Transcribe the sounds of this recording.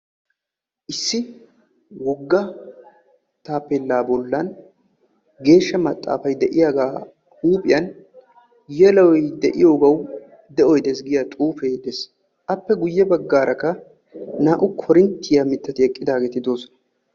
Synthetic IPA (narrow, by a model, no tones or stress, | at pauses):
ʔɪsːɪ | wɔɡːɐ | t̪aːpːelːaːbɔlːɐn | ɡe̞ːʃːɐmɐt̪ʼːa̰ːfɐjd̪ɛʔɪjaːɡaː | uːpʼɪjɐn | jɛlɐwɔjd̪ɛʔɪ̰joːɡɐw | d̪ɛʔɔjd̪ɛs̬ɡɪjat̪ʼuːfeːd̪ɛs | ʔɐpːɛɡʊjːɛbɐɡːaːɾʔɐkːɐ | naːʔʊkʰɔɾɪnt̪ːɪjamɪt̪ːɐt̪ɪɛkʼːɪd̪aːɡeːt̪ɪd̪o̞ːsɔ̥nɐ